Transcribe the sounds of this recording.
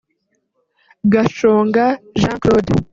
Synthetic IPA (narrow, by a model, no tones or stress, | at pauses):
ɡaʃoːŋɡaʒãːŋklod